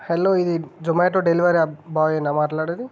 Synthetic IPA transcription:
helːoːid̪id͡ʒomeːʈoːɖeliʋɐɾiabaːjenːamaːʈlaːɽid̪i

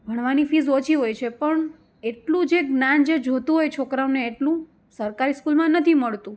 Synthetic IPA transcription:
bʱəɽ̃ʋanifizot͡ʃʰiɦojt͡ʃʰepəɳ | eʈlũd͡ʒeɡnand͡ʒed͡ʒʱot̪ũɦojt͡ʃʰokɾamneːʈlũ | səɾkaɾiskulmãnət̪ʰiməɭt̪ũ

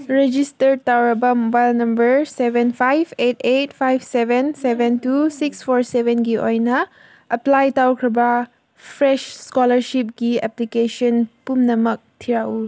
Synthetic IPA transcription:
ɹɛd͡ʒistətawkəbamɔbajlnãmbəɹsɛvə̃nfajvetetfajvsɛvə̃nsɛvə̃ntusiksfɔɹsɛvə̃nɡiʔɔ̰̃jna | ʔəplajtawkɹəba | fɹɛʃskɔləɹʃip̚ɡiɛ̰plikeʃə̃npumnamək̚tʰiɹaul

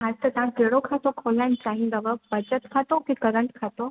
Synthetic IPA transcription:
ɦast̪ət̪ãkeɽokʰat̪okʰɔlːaɳɖt͡ɕaɦĩnd̪əʋəbəd͡ʑət̪kʰat̪okikəɾəɳʈkʰat̪o

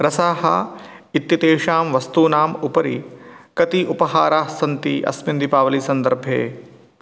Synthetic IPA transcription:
ɾɐsaːɦɐ̰ | it̪jɐt̪eːʃaːmʋɐst̪uːnaːmupɐɾikɐt̪iʔupɐɦaːɾaːsɐnt̪iʔɐ̰smɪnd̪ipaːʋɐlisɐ̃nd̪ɐɾbʱjḛː

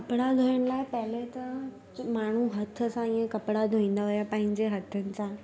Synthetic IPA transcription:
kɐpɽad̪ʱoːjəɽ̃laːɪpɐɦɪlet̪ɐ | maːɳ̤uɦɐt̪ʰə̆sãĩːẽkɐpɽad̪ʱoĩːn̆d̪aɦʊjapɐ̃ɦɪ̃ɲd͡ʑeɦɐt̪ʰənɪ̆sãː

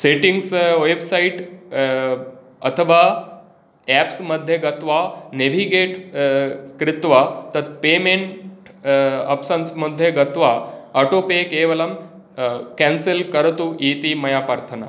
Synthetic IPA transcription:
seʈiŋɡsʋebsaiʈ | ɐ̰t̪ʰəʋa | ɛpsməd̪ʱjeɡɐt̪ʋaneʋʱiɡeʈ | kɾɪt̪ʋat̪ɐt̪̚pemeɳʈ | ə̰psənsməd̪ʱjeɡɐt̪ʋaəʈopekeʋəlɐm | kɛnselkəɾt̪uʔit̪imɐjapaɾt̪ʰəna̰

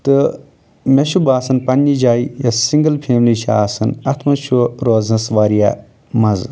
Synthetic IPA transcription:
t̪ɨ | meʃubaːsɐnpɐnːid͡ʒaːijɐsiŋɡɐlpʰeːmliʃʰa̰ːsɐnɐt̪ʰmɐʃuɾoːznɐsʋaːɾijaː | mɐz

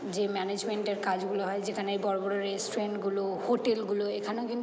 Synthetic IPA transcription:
zemɛned͡ʒmenʈeɹkazɡuloɦɔjzekʰanejbɔɹɔbɔɹɔɹesʈuɹenʈɡulohoʈelɡuloekʰanɔʊkin

